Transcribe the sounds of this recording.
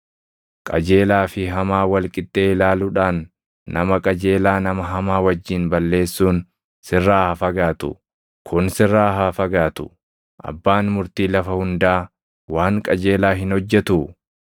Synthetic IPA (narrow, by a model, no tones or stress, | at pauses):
kʼɐd͡ʒe̞ːlaːfɪɦɐmaːwɐlkʼɪt̪ʼːe̞ːlaːlʊᶑaːnː | ɐ̰mɐkʼɐd͡ʒe̞ːlaːnɐmɐɦɐmaːwɐd͡ʒːiːnbɐlːe̞ːsːuːn | sɪrːaːhɐfɐɡaːt̪ʊ̰ | kʰʊnsɪrːaːɦaːfɐɡaːt̪ʊ̰ | ʔɐ̰bːaːnmʊɾt̪iːlɐfɐhʊnd̪aː | waːŋkʼɐd͡ʒe̞ːlaːɦɪnhɔd͡ʒːɛt̪uː